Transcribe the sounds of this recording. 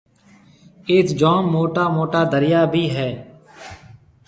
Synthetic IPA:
eːt̪d͡ʒoːmːoːʈaːmoːʈaːd̪ʱəɾɪjaːbʱiːɦɛː

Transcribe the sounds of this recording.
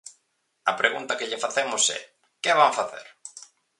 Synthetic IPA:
ɐpɾeɣunt̪ɐkeʎɪfaθemʊsɛ̰ | kɪβaɱfaθḛɾ

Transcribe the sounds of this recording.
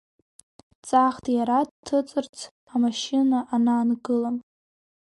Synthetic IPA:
t͡sʼaχtʰʼjaɾadtʰːɨt͡sʼɨrt͡sʰ | amaʃinaʔanaːnɡɨlam

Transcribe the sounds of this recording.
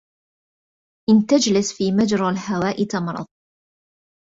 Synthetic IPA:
ʔɪnt̪ad͡ʒlɪsfiːmad͡ʒɾˤɑlhawaːʔɪt̪ɑmɾˤɑ̰ðˤ

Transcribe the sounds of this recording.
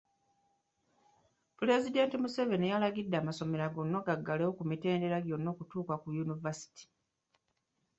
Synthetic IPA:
ple̞zide̞ntimuse̞ve̞nijalaɡidːaːmaso̞me̞ɾaɡo̞nːo̞ɡaɡːalewokumite̞ːnde̞ɾaɡjo̞nːo̞ːkutuːkakujunivasi̥ti̥

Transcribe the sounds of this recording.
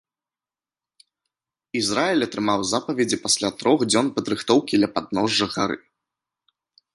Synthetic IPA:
izɾaɛlʲɐt̪ɾɨmawzapɐvʲɛd͡zʲipasʲlʲat̪ɾɔxd͡zʲɔnpɐd̪ɾɨxt̪ɔwkʲid̪lʲɐpad̪̚nɔʐːɐxa̰ɾɨ̰

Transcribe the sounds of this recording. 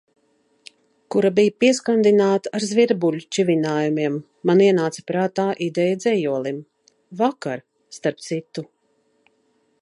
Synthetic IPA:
kuɾabijpiɛskand̪inaːt̪aaɾzviɾbulʲut͡ʃivʲinaːjumiɛmː | aniɛnaːt̪spɾaːt̪aːʔid̪ɛjad̪zʲɛjuɔlˠim | vakaɾ | st̪aɾp̚t̪sit̪u

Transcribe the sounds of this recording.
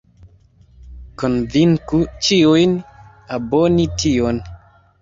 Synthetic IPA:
kɔnviŋkut͡ʃiojn | abɔnitʰiɔn

